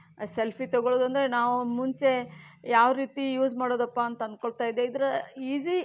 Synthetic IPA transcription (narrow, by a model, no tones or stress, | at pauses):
selpʰit̪ɔɡoɭoːd̪uɐnd̪ɐɾe̞naːʋumuɲt͡ʃe̞jaːʋɾiːt̪ijuːd͡ʒmaːɽoːd̪ɐpːaːnt̪ɐɐnd̪̚koɭt̪aːjid̪ːe̞id̪ɐɾɐiːzi